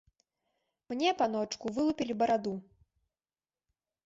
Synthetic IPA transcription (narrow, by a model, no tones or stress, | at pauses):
mnʲɛpanɔt͡ʂkuvɨlˠupʲilʲibɐɾad̪u